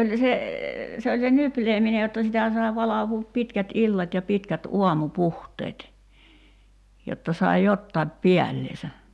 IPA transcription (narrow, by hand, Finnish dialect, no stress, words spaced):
olʲ se se olʲ se nypleːmine jotːɑ sitæ sɑi̞ ʋɑlɑʋuːp pitkæt ilːɑt jɑ pitkæt uɑmupuhteːt jotːɑ sɑi jotːɑip piælːesæ